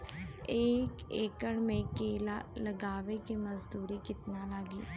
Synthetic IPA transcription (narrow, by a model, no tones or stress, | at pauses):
eːkeːkəɳmẽkeːla̰ləɡaːʋekeməzd̪uːɾikɪt̪naːlaːɡiː